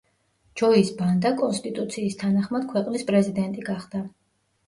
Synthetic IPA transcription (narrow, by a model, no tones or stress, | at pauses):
d͡ʒ̥ɔisband̪akʼɔnst̪ʼit̪ʼut̪sʰiːst̪ʰanaχmad̪̥kʰwɛqʼnispʼɾɛzid̪ɛnt̪ʼiɡaχd̪̥a